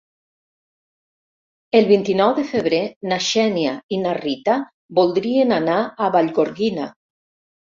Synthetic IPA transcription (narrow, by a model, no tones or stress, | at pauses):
elˠβint̪inɔwðefeβ̞ɾenaʃɛnjainarit̪a | bolˠd̪ɾienanaːβaʎɣoɾɣina